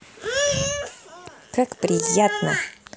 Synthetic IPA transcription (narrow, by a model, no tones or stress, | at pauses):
kakpɾʲɪjat̪nə̰